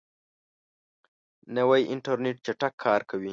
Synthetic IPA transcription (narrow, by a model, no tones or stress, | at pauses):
nawajʔɪɳʈaɾneʈ̚t͡ʃaʈakʰːɑːɾkʰawi